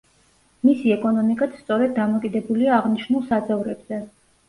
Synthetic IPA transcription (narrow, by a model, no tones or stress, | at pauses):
misiɛkʼɔnɔmikʼat̪st̪sʼɔɾɛd̪̚ːamɔkʼid̪ɛbuliaːʁniʃnulˠsad̪zʼɛvɾɛbz̥ɛ